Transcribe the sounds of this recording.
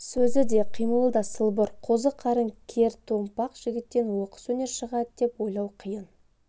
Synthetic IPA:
sɵzɪd̪e̞qʰijməlˠd̪ɑsəlˠbəɾqʰozəqʰɑɾəŋkʲʰe̞ɾt̪ʰompɑqʒ̥ɪɡʲɪt̪ːe̞nwoqə̥swɵne̞ɾʃəʁɑəd̪e̞pwo̞jlˠɑwqʰəjən

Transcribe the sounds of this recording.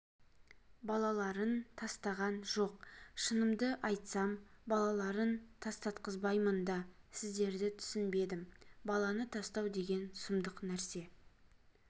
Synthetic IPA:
bɑlˠɑlˠɑɾənt̪ʰɑst̪ɑʁɑnʒo̞qʃənəmd̪əʔɑjt̪sɑmbɑlˠɑlˠɑɾənt̪ʰɑst̪ɑt̪̚qəzbɑjmənd̪ɑsɪzd̪e̞ɾd̪ɪt̪ʰʏ̥sɪnbe̞d̪ɪmbɑlˠɑnət̪ʰɑst̪ɑwd̪e̞ɡʲe̞nsʊmd̪əqnæɾse̞

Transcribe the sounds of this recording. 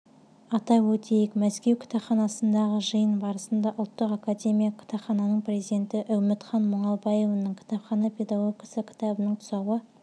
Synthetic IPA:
ɑt̪ɑwɵt̪ejɪkmæskʲe̞wkʲʰt̪ɑpχɑnɑsənd̪ɑʁəʒəjənbɑɾəsənd̪ɑʔʊlˠt̪ːəqakad̪ʲe̞mʲijakʲʰɪ̥t̪ɑpχɑnɑnəɴprʲe̞zid̪e̞nt̪ɪʔæwmɪt̪χɑnmʊɴɑlˠbɑjevnəɴkʲʰɪ̥t̪ɑpχɑnɑpʲʰe̞d̪aɡo̞ɡʲkʲɑsəkʲʰɪ̥t̪ɑbənəɴt̪ʰʊ̥sɑwə

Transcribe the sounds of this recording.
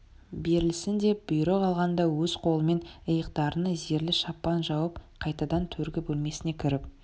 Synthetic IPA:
be̞ɾɪlɪsɪnd̪e̞pb̥ʊjɾeqʰɑlˠʁɑnd̪ɑwɵz̥qʰo̞lˠəme̞nəjəqt̪ɑɾənəze̞ɾlɪʃɑpːɑnʒɑwəpqʰɑjt̪ɑd̪ɑnt̪ʰɵɾɡʲɪbɵlme̞sɪne̞kʲʰʏɾɪp̚

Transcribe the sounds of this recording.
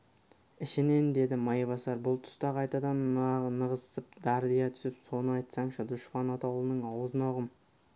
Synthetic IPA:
ɪʃɪnend̪e̞d̪ɪmɑjβɑsɑɾbʊlˠt̪ʰʊ̥st̪ɑqʰɑjt̪ɑd̪ɑnɑːəʁəzəp̚d̪̥ɑɾd̪ijɑt̪ʰʏ̥sɪpso̞nəɑjt̪sɑɴʃɑd̪ʊʃpɑnɑt̪ɑwlˠənəɴɑwəzənoʁəm

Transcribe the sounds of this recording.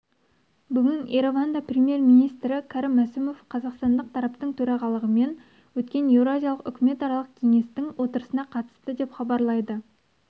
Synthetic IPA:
bʏɡʲɪneɾo̞vand̪ɑprʲemje̞rmijnijst̪ɾɪkʰɑɾɪmːæsɪmo̞fqʰɑzɑqst̪ɑnd̪əqt̪ʰɑɾɑpt̪əɴt̪ʰɵɾɑʁɑlˠəʁəme̞n | wɵt̪kʲe̞ne̞vɾoazʲijɑlˠəqʏ̰kʲɪme̞t̪ɑɾɑlˠəq̚kʲʰe̞ŋe̞st̪ɪŋwo̞t̪əɾəsənɑqʰɑt̪ə̥st̪əd̪e̞pχɑbɑɾlˠɑjd̪ə

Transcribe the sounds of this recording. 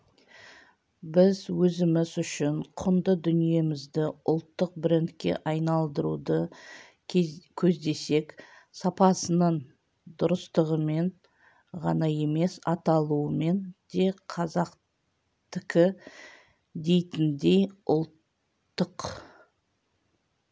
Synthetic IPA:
bɪzwɵzɪmɪzʏʃɪɴqʰʊnd̪əd̪ʏnije̞mɪzd̪ɪʊlˠt̪ːəq̚bɪɾɪnt̪kʲe̞̰ʔɑjnɑlˠd̪əɾud̪ə | kʲʰɵzd̪e̞se̞k | sɑpɑsənəɴ | d̪ʊɾəst̪əʁəme̞n | ʁɑ̰nɑje̞me̞sɑt̪ɑlˠuəme̞nd̪̥e̞qʰɑzɑq | t̪ɪkʲɪ | d̪e̞jt̪ɪnd̪e̞jʊlˠt̪ː | əq

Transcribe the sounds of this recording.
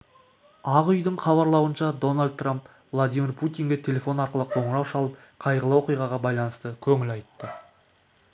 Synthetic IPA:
ɑʁʏjd̪ɪɴχɑβɑɾlˠɑwənʃɑd̪o̞nalʲd̪̚t̪ːramp | vlˠad̪ijmʲirpʰut̪ijŋɡʲet̪ʲʰe̞le̞fo̞nɑɾqəlˠəqʰo̞ɴɾɑwʃɑlˠəp̚ | qʰɑjʁəlˠəwo̞qijʁɑʁɑbɑjlˠɑnəst̪əkʲʰɵŋɪlɑjt̪ːə

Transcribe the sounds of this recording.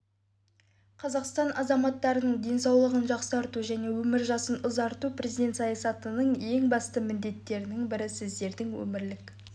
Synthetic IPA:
qʰɑzɑqst̪ɑnʔɑzɑmɑt̪ːɑɾənəɴd̪e̞nsɑwlˠəʁənʒɑqsɑɾt̪uʒæne̞wɵmɪɾʒɑsənʊzɑɾt̪uprʔe̞zijd̪e̞nt̪sɑjɑsɑt̪ənəɴje̞ŋbɑst̪əmɪnd̪e̞t̪ːe̞ɾɪnɪŋbɪɾɪsɪzd̪e̞ɾd̪ɪŋwɵ̰mɪɾlɪk

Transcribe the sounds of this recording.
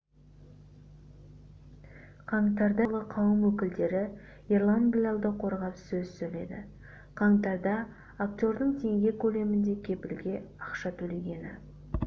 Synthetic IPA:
qʰɑɴt̪ɑɾd̪ɑlˠəqʰɑwəmwɵkʲɪld̪e̞ɾɪ | irlˠanblʲalˠd̪əqʰo̞ɾʁɑpsɵzsɵjle̞̰d̪ɪ̰ | qʰɑɴt̪ɑɾd̪ɑ | akt̪ʲjo̞ɾd̪əɴt̪ʰe̞ŋɡʲe̞kʲʰɵle̞mɪnd̪e̞kʲʰe̞pɪlɡʲe̞ɑqʃɑt̪ʰɵle̞ɡʲe̞nɪ̰

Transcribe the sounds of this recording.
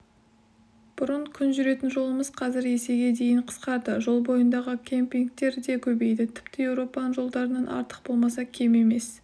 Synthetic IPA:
b̥ʊɾəɴkʲʰʏnʒʏɾe̞t̪ɪnʒo̞lˠəməzqʰɑzɪɾe̞se̞ɡʲe̞d̪e̞jɪɴqʰə̥sqɑɾd̪əʒo̞lˠbo̞jənd̪ɑʁəkʲʰe̞mpʲiŋk̚t̪e̞ɾd̪e̞kʲʰɵbe̞jd̪ɪt̪ʰɪ̥pt̪ɪje̞wɾo̞pɑnəʒo̞lˠd̪ɑɾənɑnʔɑ̰ɾt̪ə̥q̚bo̞lˠmɑsɑkʲʰe̞me̞me̞s

